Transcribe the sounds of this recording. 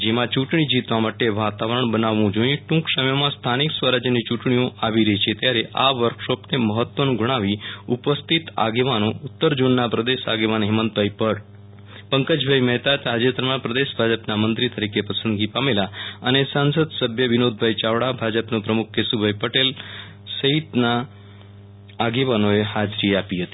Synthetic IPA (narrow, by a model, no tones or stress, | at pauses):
d͡ʒemãt͡ʃuʈɳ̃id͡ʒit̪ʋamaʈeʋat̪aʋəɾəɳ̃bənaʋːũd͡ʒoĩʈũkʃəmjəmãst̪ʰaniksʋəɾad͡ʒjənit͡ʃuʈɳiõʔaʋiɾəɦit͡ʃʰet̪jaɾeʔaʋəɾkʃopneməɦət̪ʋənɡuɽ̃aʋiupəst̪ʰit̪a̰ɡeʋanout̪ːəɾd͡ʒonːapɾəd̪eʃa̰ɡeʋanɦimənt̪̚bʱaipəɽ | pəŋkəd͡ʑbʱajmɛɦt̪at̪ad͡ʑet̪əɾmapɾəd̪esbʱad͡ʑəpnamənt̪ɾit̪əɾikepəsənd̪ɡipamelaañesãnsəd̪səbʱjəʋinod̪̚bʱait͡ɕaʋɽabʱad͡ʑəpnopɾəmuk̚ʰkesubʱəjpəʈel | səɦit̪na | ɡeʋanoeɦad͡zɾiːapiɦət̪i̥